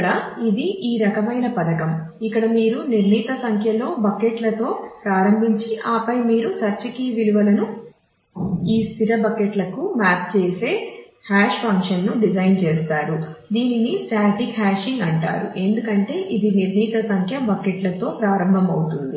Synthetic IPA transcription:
ɽɐid̪iʔiːɾɐkɐmɐjnɐpɐd̪ɐkɐm | ikːɐɽɐmiːɾuniɾniːt̪ɐsɐŋkʰjɐlo̞ːbɐkeʈlɐt̪o̞ːpɾaːɾɐmbʱiɲt͡ʃiʔaːpɐjmiːɾusɐɾt͡ʃikiʋiluʋɐlɐnu | iːst̪ʰiɾɐbɐkeʈlɐkumaːp̚t͡ʃeːse̞ː | haːʂpɐŋkʂɐnːuɖid͡ʒɐjnt͡ʃɛːst̪aːɾud̪iːninisaːt̪ikhaːʃiŋɡɐɳʈa̰ːɾṵʔe̞nd̪ukɐɳʈe̞ːʔid̪iniɾniːt̪ɐsɐŋkʰjɐbɐkeʈlɐt̪o̞ːpɾaːɾɐmbʱɐmɐwut̪und̪i

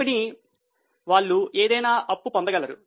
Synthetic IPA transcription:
ini | ʋaːɭːueːd̪ɐjnaːʔɐpːupɔnd̪ɐɡɐɭlːɐɾu

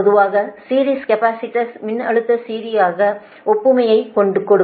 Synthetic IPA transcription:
ðɯʋaːɣɐsiːɾiːskɐpaːsɪʈːɐsmɪnːɐ̰ɭɯt̪ːɐsiːɾijaːɣɐ | ɔpːɯmɐjɐɪkɔɳɖɯkːɔɽɯ

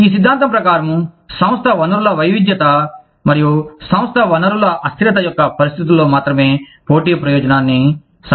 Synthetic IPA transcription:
iːs̬id̪ʱːaːnt̪̬ɐmpɾɐkaːɾɐmu | sɐ̃w̃st̪ʰɐʋɐnɐɾulɐʋɐjʋid̪jɐt̪ɐ | mɐɾijusɐ̃w̃st̪ʰɐʋɐnɐɾulɐʔɐst̪ɾɐt̪̬ɐjɔkːɐpɐɾist̪ʰit̪̬ulːo̞ːmaːt̪ɾɐme̞ːpo̞ːʈiːɐpɾɐjɔːd͡ʒɐnaːnːi | s

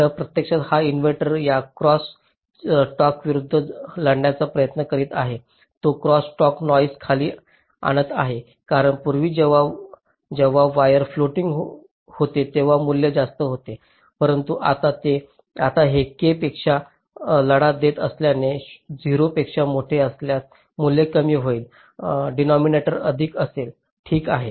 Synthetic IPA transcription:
əpɾət̪jəkʂat̪hainʋeʈəɾjakɾɔs | ʈɔkʋiɾud̪ʱːələɽɳjat͡sapɾəjət̪nəkəɾiːt̪aɦe | t̪okɾɔsʈɔknɔjskʰaliː | a̰ɽ̃ət̪a̰ɦe | kaɾəɳpuɾʋiːd͡ʑeʋ̤a | d͡ʑeʋ̤aʋajəɾfloʈiŋɡɦ | hot̪et̪eʋ̤amuljəd͡zast̪əɦot̪e | pəɾənt̪uʔat̪at̪e | at̪aɦekepekʂa | ləɽad̪et̪əsljaned͡ziɾopekʂamoʈʰeəsljat̚ | muljəkəmiːɦoiːl | ɖinɔmineʈəɾəd̪ʱiːkəsel | ʈʰiːkaɦe

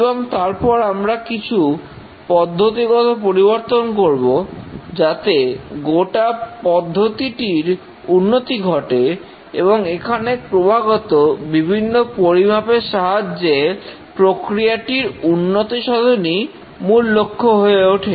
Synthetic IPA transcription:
boŋt̪aɾpɔɾamɾakit͡ɕʰu | pɔd̪ʱːot̪iɡɔt̪opoɾiboɾt̪onkoɾbod͡ʑat̪eɡoʈapɔd̪ʱːot̪iʈiɾ | unːot̪iɡʱɔʈe | ḛboŋekʰanepɾobʱaɡɔt̪obibʱinːopoɾimapeʃaɦad͡ʑe | pɾokɾijaʈiɾunːot̪iʃɔd̪ʱoni | mulːokʰːoɦoeoʈʰe

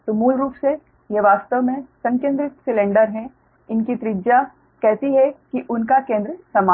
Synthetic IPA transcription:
t̪omuːlɾuːpse | jeʋaːst̪əʋmẽsɐ̃ŋkjẽːnd̪ɾɪt̪sɪlẽːɳɖəɾɦɛ̃ | ɪnkit̪ɾɪd͡ʒa | kɛɦt̪iɦɛkiʔʊnkakẽːnd̪ɾɪsɐmaː

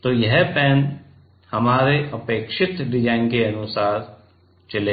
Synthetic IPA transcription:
t̪oːjɐɦpɛːn | hɐmaːɾeʔɐpeːkʃɪt̪d̪ɪd͡ʒãːɪ̃ŋkeɐnʊsaːɾ | t͡ʃɐleː

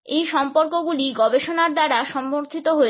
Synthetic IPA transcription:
ejʃɔmpoɾkoɡuliɡɔbeʃonaɾd̪aɾaʃɔmboɾt̪ʰit̪oɦoe

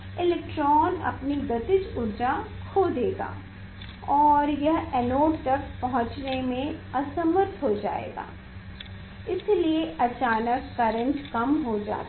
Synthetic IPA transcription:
ɪleːk̚ʈɾɔːnɐ̰pniɡɐt̪ɪt͡ʃʊɾd͡ʒakʰoːd̪eːɡa̰ː | ɔːɾjɐɦɛnoːʈt̪ɐkpɐɦʊ̃t͡ʃnemẽɐsəməɾt̪ɦod͡ʒa̰ːḛːɡa̰ː | ɪslieʔɐt͡ʃaːnəkːɐɾə̃ɳʈkɐmɦod͡ʒa̰ːt̪

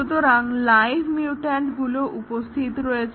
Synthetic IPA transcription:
ut̪oɾaŋlajbʰʱmiuʈeɳʈɡuloʔupost̪ʰit̪oɾoet͡ɕʰ

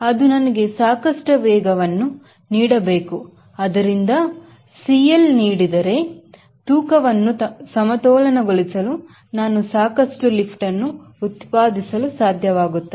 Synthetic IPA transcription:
ɐd̪unɐnɐɡe̞saːkɐʂʈɐʋɛːɡɐʋɐnːu | niːɽɐbeːku | ɐd̪ɐɾind̪ɐ | siːjɐlniːɽid̪ɐɾe̞ | t̪uːkɐʋɐnːusɐmɐt̪ɔːlɐnɐɡoɭisɐlu | naːnusaːkɐʂʈulipʰʈɐnːuːt̪paːd̪isɐlusaːd̪ʱjɐʋaːɡut̪ːe

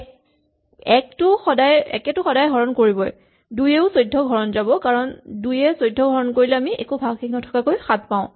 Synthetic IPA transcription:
ɛk̚tʊxɔdajɛ̰kɛtʊxɔdajɡʱɔɹɔnkoɹibɔj | dujeʊsojdʱːɔɡʱɔɹɔnzabɔkaɹɔndujɛsojdʱːɔɡʱɔɹɔnkoɹilɛamiʔɛ̰kubʱaɡxiknɔtʰɔ̥kakojxat̚paʊ̃

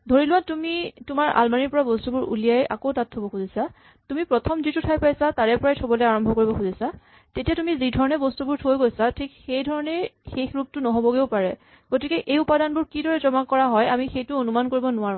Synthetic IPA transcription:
dʱoɹilʊwatumitʊmaɹʔa̰lmaniɹpɔɹabɔstubʊɹʔṵlijaja̰kowtatʰɦobɔxuzisa | tumipɹɔtʰɔmzitutʰajpajsataɹɛpɔɹajtʰobɔlɛaɹɔmbʱɔkoɹibɔxuzisa | tetijatumizidʱɔɹɔnɛbɔstubuɹtʰojɡojsatʰikxejdʱɔɹɔnɛxexɹup̚tʊnɔɦobɔɡeʊpaɹɛ | ɡ̥otikɛʔejupadanbʊɹkidɔɹɛzɔmakːɔɹaɦɔjamixejtʊonumankoɹibɔnʊwaɹʊ̃

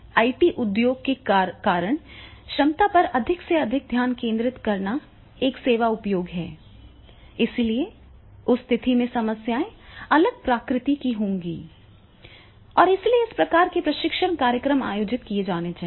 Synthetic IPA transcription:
aːiʈiʔʊd̪joːɡ̚kekaːɾəɽ̃ʃɐmt̪apɐɾɐd̪ʱɪkseɐd̪ʱɪk̚d̪ʱjaːnkẽːnd̪ɾɪt̪kɐɾna | eːkseːʋaʊpjoːɡɦɛ̰ː | ɪslie | ʊst̪ʰɪt̪ʰimẽsɐməsjaːẽɐləɡ̚pɾaːkɾɪt̪ikiɦõːŋɡḭː | ɔːɾɪslieɪspɾɐkaːɾkepɾɐʃɪkʃəɳ̃kaːɾjəkɾəma̰ːjoːd͡ʒɪt̪kied͡ʒaːned͡ʒa

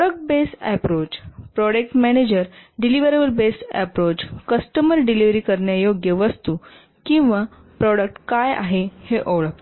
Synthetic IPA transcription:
ɔɽək̚ʈ̚besɛ̰pɾot͡ɕpɾɔɽek̚ʈmɛñed͡ʑəɾɖiliʋəɾebəlbesʈɛ̰pɾot͡ɕkəsʈəməɾɖiliʋɾiːkəɾɳjajoɡjəʋəst̪uː | kĩw̃ʋa | pɾɔɽək̚ʈkaja̰ɦeheʔoʋɭək̚t̪

